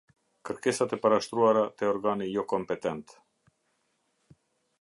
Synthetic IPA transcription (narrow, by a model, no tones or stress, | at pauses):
kəɾkɛsat̪ɛpaɾaʃt̪ɾuaɾat̪ɛɔɾɡanijɔkɔmpɛt̪ɛnt̪